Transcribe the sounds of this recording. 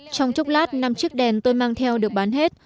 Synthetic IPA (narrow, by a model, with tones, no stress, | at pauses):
t͡ɕɔ˧wŋ͡mt͡ɕʊ˦˥k͡p̚laː˦˥t̚na˧mt͡ɕɨ˦˥ək̚ɗɛ˨˩nt̪o˧jmaː˧ŋt̪ʰɛ˧wɗɨ˨˩ək̚ɓaː˨˦nɦe˦˥t̚